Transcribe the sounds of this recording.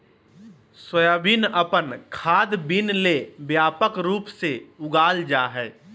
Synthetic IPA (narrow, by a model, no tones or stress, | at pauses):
swəjaːbinəpənkʰaːd̪binlebjaːpəkɾuːpseʊɡaːld͡ʒaːɦɛː